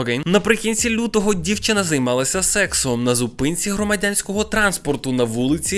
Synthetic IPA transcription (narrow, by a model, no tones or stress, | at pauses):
kenɐpɾɪkʲinʲt͡sʲilʲut̪ɔɦɔdʲiwt͡ʃɪnɐzɐjmɑlˠɐsʲɐsɛksɔɦɔmnɐzʊpɪnʲt͡sʲiɦɾɔmɐdʲanʲsʲkɔɦɔt̪ɾɑnspɔrt̪ʊnɐʋulˠɪt͡sʲi